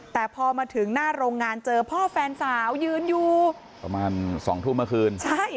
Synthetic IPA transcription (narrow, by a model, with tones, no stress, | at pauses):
t̪ɛː˨˩pʰɔː˧maː˧t̪ʰɯ˩˦ŋnaː˥˩ɾoː˧ŋːaː˧nt͡ɕɤː˧pʰɔː˥˩fɛː˧nsaː˩˦wjɯː˧njuː˨˩ | pɾa̰˧maː˧nsɔː˩˦ŋt̪ʰu˥˩mɯ˥˩kʰɯː˧nt͡ɕʰa˥˩j